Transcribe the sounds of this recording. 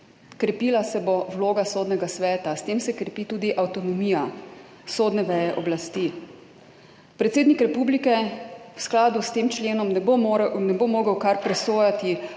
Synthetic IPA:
kɾɛpiːlasɛbɔwloːɡasoːd̪nɛɡasʋɛːt̪ast̪eːmsɛkɾɛpiːt̪uːd̪iʔawt̪ɔnɔmiːja | soːd̪nɛʋɛjɛʔɔblast̪i | pɾɛt̪seːd̪nikɾɛpublikɛwsklaːd̪ust̪eːmt͡ʃleːnɔmnɛnɛbomoːɡəwkaɾpɾɛsoːjat̪i

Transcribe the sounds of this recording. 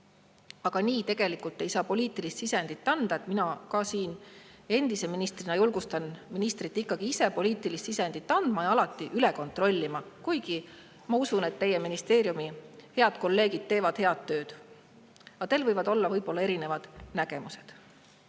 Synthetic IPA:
ɑɡ̥ɑniːt̪e̞ɡ̥e̞likːˑult̪ːˑe̞jsɑːpo̞lʲiːt̪ːˑilist̪sise̞nd̪̥it̪ːɑnd̪̥ɑe̞t̪minɑkɑsiːne̞nd̪iseminist̪rinɑjulɡ̥ust̪ɑnminist̪rit̪ːikːɑɡ̥iise̞po̞lʲiːt̪ːˑilist̪ise̞nd̪it̪ˑːɑnd̪̥mɑjɑɑlɑt̪ːˑiʔyle̞ko̞nt̪ˑro̞lʲːimɑkujɡ̥i | mɑusune̞t̪ːe̞je̞minist̪e̞ːɾjumihe̞ɑd̪̥̚ko̞lːe̞ːɡid̪̥̚t̪ːe̞ːvɑd̪̥he̞ɑd̪̥t̪ːø̞ːd̪̥ | ɑt̪e̞lvɤjvɑd̪̥o̞lːɑvɤjbo̞lːɑe̞ɾine̞vɑd̪̥næɡ̥e̞muse̞d̪̥

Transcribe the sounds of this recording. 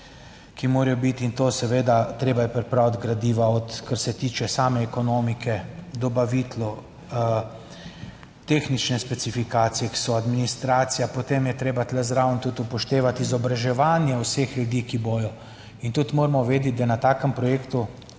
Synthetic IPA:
kimoːɾɛjɔbit̪int̪oːsɛʋeːd̪at̪ɾeːbajɛpɾɛpɾawd̪ɡɾad̪iːʋaɔt̪kaɾsɛt̪iːt͡ʃɛsaːmɛːkɔnomikʰɛd̪ɔbaʋiːt̪lɔ | t̪exnit͡ʃnɛspɛsifikaːt̪sijɛki̥sɔad̪minist̪ɾaːt̪sijapɔt̪emjɛt̪ɾeːbat̪lɛzɾawnt̪ut̪upɔʃt̪eːʋat̪izɔbɾaʒɛʋaːnjɛwsexlud̪iːkiboːjɔ | int̪ut̪moːɾmɔʋeːd̪ɛt̪̚d̪anat̪aːkəmpɾɔjeːkt̪u

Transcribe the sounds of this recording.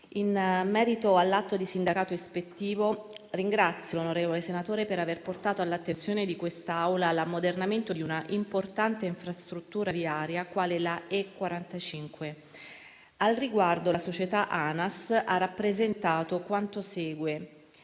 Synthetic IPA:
inmɛːɾit̪oalːat̪ːod̪isind̪akaːt̪oespet̪ːiːvoriŋɡɾat̪sːjolonoɾeːvolesenat̪oːɾepeɾaverport̪aːt̪oalːat̪ːensjoːned̪ikwest̪aawlalamːod̪ernament̪od̪iunaʔimport̪ant̪eiɱfɾast̪ɾut̪ːuːɾaviaːɾjakwaːlelaekːwaɾant̪at͡ʃiŋkwe | alriɡward̪olasot͡ʃet̪aʔanasarːapːɾezent̪aːt̪okwant̪oseːɡwe

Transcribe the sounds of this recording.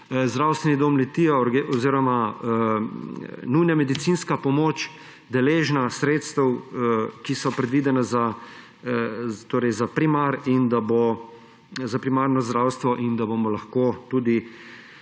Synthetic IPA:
zd̪ɾawst̪ʋɛnid̪omlɛt̪iːɛɾɡɔziːɾɔma | nujnamɛd̪it̪sinskapɔmoːt͡ʃ | d̪ɛleːʒnasɾeːt̪st̪ɛwkisɔpɾɛd̪ʋid̪ɛnaza | t̪oːɾɛjzapɾimaɾind̪abo | zapɾimaɾnɔzd̪ɾawst̪ʋɔʔind̪abomɔlaxkot̪uːd̪i

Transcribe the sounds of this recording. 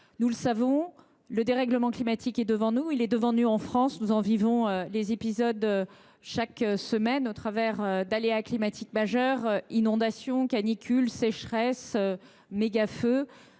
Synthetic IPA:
nuləsavɔ̃ | ləd̪eʁɛɡləmɑ̃klimat̪ʰikɛd̪əvɑ̃nuilɛd̪əvɑ̃nuɑ̃fχɑ̃snuzɑ̃vivɔ̃ølezepizɔd̪ø | ʃaksəmɛnot̪χavɛʁød̪aleaklimat̪ʰikmaʒœʁinɔ̃d̪asjɔ̃kanikʲylsɛʃχɛsø | meɡafø

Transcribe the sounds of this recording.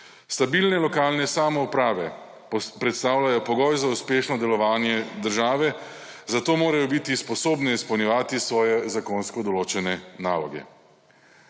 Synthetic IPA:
st̪abilnɛlɔkaːlnɛsaːmɔupɾaːʋɛ | pɾɛt̪st̪aːwlʲajɔpɔɡɔjzauspeːʃnɔd̪ɛlɔʋaːnjɛd̪əɾʒaːʋɛ | zat̪oːmoːɾajɔbiːt̪ispɔsoːbnɛispɐwnʲjɛʋaːt̪isʋɔːjɛzakonskɔd̪ɔloːt͡ʃɛnɛna̰ːlɔɡɛ̰

